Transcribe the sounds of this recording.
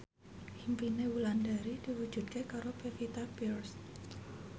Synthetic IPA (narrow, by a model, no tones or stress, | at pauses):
himpinewulandaɾid̥iwu̥d͡ʒ̥ud̪̚kekaɾopefit̪apirs